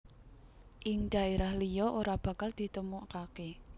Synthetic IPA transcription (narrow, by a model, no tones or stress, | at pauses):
ʔɪŋɖ̪̥a̤eɾahlijɔʔoɾab̥ä̤kald̪̥i̤t̪əmuʔkake